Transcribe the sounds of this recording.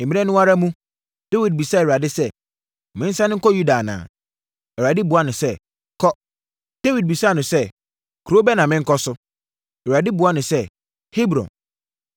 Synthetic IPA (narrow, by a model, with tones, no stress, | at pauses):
m̩˨mĩ˦ɛ̃˦nʊ̃˦a˦ɾa˦mũ˦ | d̥e˦wi˨d̚bi˨sa˦˨a˨dɪ˦sɛ˦ | mɪ̃˦n̩˦sã˦nɪ̃˦kʰɔ˦ju˦da˨nã̰ː˨ | ɛ˨a˨dɪ˦bʊ˨a˦nʊ̃˨sɛ˦ | kʰɔ˦ | d̥e˦wi˨d̚bi˨sa˦˨nʊ̃˨sɛ˦˨ | kʰo˦bɛ˦nã˨mɪ̃˦ŋ̩˦kɔ˦sʊ˦ | ɛ˨a˨dɪ˦bʊ˨a˦nʊ̃˨sɛ˦ | hi˦bɾɔ̰̃˨n